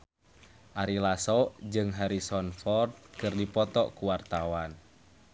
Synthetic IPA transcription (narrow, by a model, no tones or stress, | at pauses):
ʔaɾilasɔd͡ʒɨŋɦaɾisɔnfɔrt̪̚kɨrdipɔt̪ɔʔkuwart̪awan